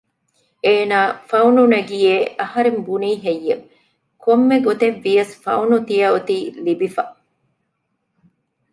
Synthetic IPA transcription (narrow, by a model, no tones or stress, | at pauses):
eːnaːfɐwnunɐɡijeːʔɐhɐɾembuniːɦejːɐ | komːeɡot̪eʋːijɐsfɐ̰wnut̪ijɐut̪iːlibifɐ